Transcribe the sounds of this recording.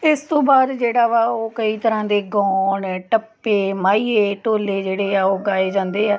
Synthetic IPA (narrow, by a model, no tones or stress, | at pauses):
ɪst̪õːbaːd̪d͡ʒeːɽaːʋaːoːkəiːt̪əɾãːd̪eːɡɔːɳʈəpːeːmaːiːeːʈoːleːd͡ʒeːɽeːaːoːɡaːeːd͡ʒãːnd̪eːaː